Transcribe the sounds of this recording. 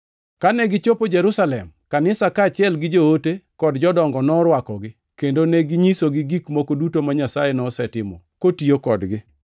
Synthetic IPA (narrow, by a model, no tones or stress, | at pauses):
kanɛɡɪt͡ʃopod͡ʒɛɾusalɛmkanɪsakat͡ʃɪɛlɡɪd͡ʒootekɔdd͡ʒɔdɔŋɡɔnɔɾwakɔɡɪ | kendonɛɡɪɲisoɡɪɡikmokodutomaɲasajenɔsɛtɪmɔ̰kotiokɔdɡɪ